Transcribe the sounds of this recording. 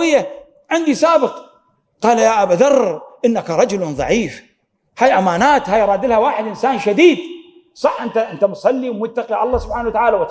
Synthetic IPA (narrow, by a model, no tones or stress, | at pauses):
ɪjːa | ʕɪnd̪isaːbɨq | qɑːlajaʔabaðɑrˤːʔɪnːakaɾˤɑd͡ʒʊlðˤɑ̰ʕiːf | haːjʔamaːnaːt̪haːjɾˤɑːd̪ɪlhawaːħɪd̪ʔɪnsaːnʃad̪iːd̪ | sˤɑħʔɪnt̪aʔɪnt̪amsˤɑlːiwmʊt̪ːaqiʕɑlˤːɑːsʊb̥ħaːnawat̪aʕaːlawt̪